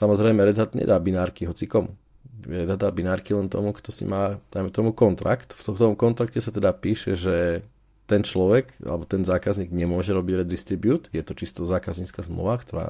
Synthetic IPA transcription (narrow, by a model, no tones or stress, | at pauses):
samɔzɾɛɪmɛɾɛd̪ad̪ɲɛ̰d̪abinaːɾkiɦɔt͡sikɔmṵ | jɾɛd̪ad̪abinaːɾkilɛnt̪ɔ̰mukt̪ɔsḭmaːd̪̥ajmɛt̪ɔmukɔnt̪ɾa̰kt̪ft̪ɔt̪ɔmkɔnt̪ɾakcɛsat̪ɛd̪apiːʃɛʒɛ | t̪ɛnt͡ʃlɔʋɛkʔa̰lɛbɔt̪ɛnzaːkazɲiːɡɲɛmʊɔʒɛɾɔbiɟɾɛd̪ist̪ɾibjuːt̪jɛt̪ɔt͡ʃist̪ɔzaːkazɲiːt͡skazmlṵʋakt̪ɔɾa̰ː